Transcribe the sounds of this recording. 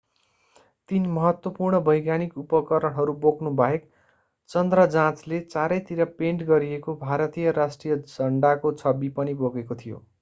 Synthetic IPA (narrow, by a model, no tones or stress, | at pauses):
t̪inmʌɦʌt̪wʌpurɳʌbʱʌjɡanikupʌkʌɾʌɽɦʌɾuboknubʱʌɦek | t͡sʌnd̪rʌd͡zãt͡slet͡saɾʌjt̪iɾapeɳʈɡʌɾiekobʱaɾʌt̪ijʌɾasʈrijʌd͡zʌɳɖakot͡sʰʌbipʌniboɡekot̪ʰijo̰